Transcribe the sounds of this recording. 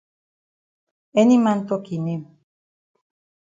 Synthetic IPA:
enimant̪okinem

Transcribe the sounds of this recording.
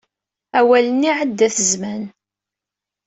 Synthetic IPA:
æwælənːiʕəd̪ːæθəzmæn

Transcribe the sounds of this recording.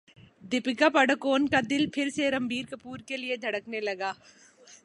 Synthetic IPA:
d̪ɪpɪkapɐɽkoːnkad̪ɪlpʰɪɾseɾɐmbʱiːɾkɐpuːɾkelied̪ʱɐɽəknelɐɡaː

